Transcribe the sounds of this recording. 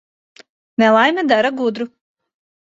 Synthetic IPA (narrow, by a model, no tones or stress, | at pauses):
nɛlˠajmʲɛd̪aɾaɡud̪ɾu